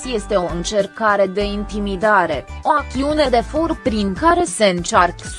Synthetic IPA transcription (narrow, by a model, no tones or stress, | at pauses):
sje̞st̪e̞o̞ɨnt͡ʃe̞rkaɾe̞d̪e̞int̪imid̪aɾe̞o̞ak̚t̪iune̞d̪e̞forpɾiŋkaɾe̞se̞ɨnt͡ʃark